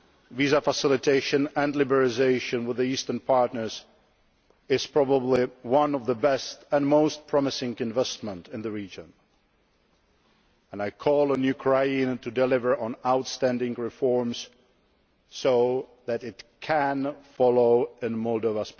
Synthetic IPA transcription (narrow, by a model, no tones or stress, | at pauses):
vizafəsɪlˠɨtʰeɪʃɨ̃nɨ̃nlɪbə˞ɪzeɪʃɨ̃nwəðiistə̃˞npʰɑɹtnə˞z | ɪz̥pʰɹ̥ɑbəbliwʌ̃nʌvðəbɛstə̃nmoʊst̚pʰɹ̥ɑmɨsɪ̃ŋɨ̃ɱvɛst̚mə̃ntʰɨ̃nðɨɹid͡ʒɨ̃n | ə̃naɪkʰɔlˠənjʉkʰɹaɪĩntʰɨdɨlɪvə˞ʔə̃naʊtstæ̃ndɪ̃ŋɹɪfɔɹmz̥ | soʊðɨɾɪtkʰɨ̃nfɑlˠoʊɪ̃nmɔlˠdoʊvəsp